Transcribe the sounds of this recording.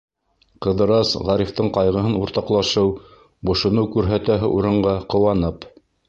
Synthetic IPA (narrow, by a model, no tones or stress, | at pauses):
qɤ̆ðɤ̆ɾɑsʁɑɾift̪ɤɴqɑjʁɤ̆ɦɤnuɾt̪ɑqlˠɑʃɤw | bŏʃŏnɤwkʉɾɦæt̪æɦɘ̰ʔuɾɤ̆ɴɢɑqŏwɑnɤp